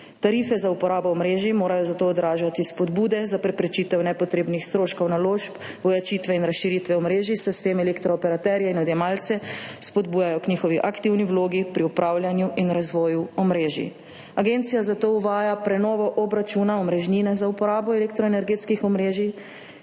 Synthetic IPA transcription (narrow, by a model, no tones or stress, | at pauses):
t̪aɾifɛzaupɔɾaːbɔːmɾeːʒimoːɾajɔzat̪oːd̪ɾaːʒat̪ispɔd̪buːd̪ɛzapɾɛpɾɛt͡ʃiːt̪ɛwnɛpɔt̪ɾeːbnixst̪ɾoːʃkɐwnaloːʃp | ʋɔjat͡ʃiːt̪ʋɛinɾasʃiɾit̪ʋɛɔmɾeːʒisɛst̪emɛlekt̪ɾɔːpɛɾat̪ɛɾjɛinɔd̪jɛmalt̪sɛspɔd̪buːjajɔkniːxɔʋiʔakt̪iwniwloːɡipɾiupɾʔaːwljanjuʔinɾazʋɔːjuɔmɾeːʒḭ | aɡent̪sijazat̪ouʋaːjapɾɛnɔːʋɔʔɔbɾat͡ʃunaɔmɾɛʒninɛzaupɔɾaːbɔɛlekt̪ɾɔɛnɛɾɡeːt̪skixɔmɾeːʒi